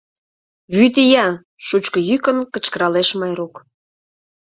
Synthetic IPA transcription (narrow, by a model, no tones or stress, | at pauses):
βyt̪̬ijɑ | ʃut͡ɕkə̆jykənkə̆t͡ɕkə̆ɾɑleʃmɑjɾuk